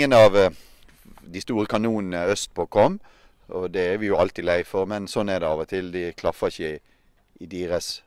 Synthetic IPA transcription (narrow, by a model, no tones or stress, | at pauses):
ənɑʋ | d̪ɪst̪uːɾəkʰɑnuːnn̩əœst̪̚boːkʰɔmː | ɔd̪ɛæɾʋɪjʊɑlt̪ɪlæɪfɔɾmɛnsɔnːɛʁd̪ɛɑːʋɔt̪ʰɪld̪ɪkʰlɑfəɪçəɪ | ʔɪd̪iːɾəs